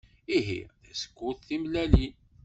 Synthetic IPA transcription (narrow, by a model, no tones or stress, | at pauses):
iɦḭðæsə̥kʷːʊθθimlælin